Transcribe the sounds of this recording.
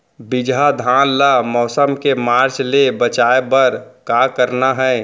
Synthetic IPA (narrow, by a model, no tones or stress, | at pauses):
bid͡ʒad̪ʱanlamɔːsəmkemaːɾt͡ʃlebət͡ʃaebəɾkakəɾnaɦɛ